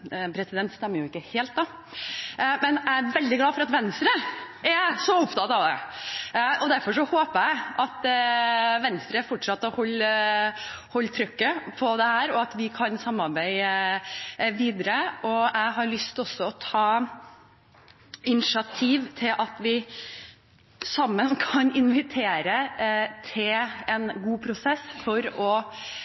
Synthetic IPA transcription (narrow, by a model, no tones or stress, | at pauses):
pʰɾɛsɪd̪ɛnt̪st̪ɛmːəɾjʊɪkːəheːlt̪̚d̪ɑ | mɛnææɾʋɛld̪ɪɡlɑːfɔɾɑt̪ʋɛnst̪ɾəɛsɔʊpt̪ʰɑt̪ɑʋd̪ɛ̰ | ʔɔd̪æɾfɔʂɔhoːpəæɪɑt̪ | ʋɛnst̪ɾəfɔʈʂɑt̪ːəhɔlː | hɔlːt̪ʰɾʏkːəpʰɔd̪ɛhæːɾɔɑt̪ʋɪkʰɑnsɑmːɑɾbæɪ | ʋiːd̪əɾəʔɔæɪɦɑɾɭʏst̪ɔsːɔɔt̪ʰɑː | ɪnɪʃɑt̪ʰiːʋt̪ʰɪlʔɑt̪ʋɪ | sɑmːənkʰɑnɪnʋɪt̪ʰeːɾət̪ʰɪlɛnɡuːpʰɾʊsɛsːfɔɾɔ